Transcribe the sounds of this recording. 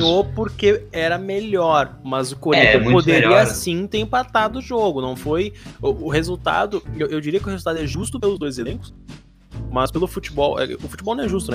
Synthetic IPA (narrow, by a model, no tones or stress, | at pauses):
opoɾkeɛɾɐmeʎɔɾmɐzʊkoɾĩt̪ɐ̃mũpod̪eɾiɐasĩt̪eɾĩmpat̪ad̪ʊʒoɡʊnɐ̃w̃fojʊːɦezuwt̪a̰d̪ʊewʔewd͡ʒiɾiɐkɪʊhezut̪ad̪ʊɛʒust̪ʊpelʊzd̪ojzelẽkʊ̥s | mɐspelˠʊfut͡ʃibɔwɛ̰ʊfu̥t͡ʃɪbɔlnɐ̃ɛʒust̪ʊnɛ